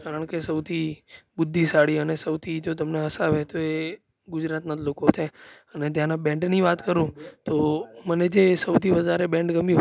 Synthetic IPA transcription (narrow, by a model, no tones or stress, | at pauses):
kaɾəɳ̃kesəwt̪ʰibʊd̪ʱːisaɽiənesəwt̪ʰid͡ʒot̪̬əmneɦəsaʋet̪oe | ɡʊd͡ʒɾat̪nad̪lokot̪ʰeənet̪jãnabɛ̃ɳɖniʋat̪kəɾũt̪oməned͡ʒesəwt̪ʰiʋəd̪ʱaɾebɛ̃ɳɖɡəmjũ